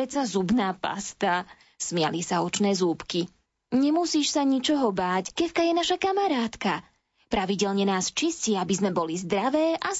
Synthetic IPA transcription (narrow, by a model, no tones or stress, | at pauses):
ɛt͡sazubnaːpa̰st̪a | smɪa̰lisaɔt͡ʃnɛːzuːpki | ɲɛmusiːʃsaɲit͡ʃɔɦɔbaːckɛfkajɛnaʃakamaɾaːt̪ka | pɾaʋiɟɛlɲɛnaːst͡ʃisciːabizmɛbɔlizd̪ɾaʋɛːʔa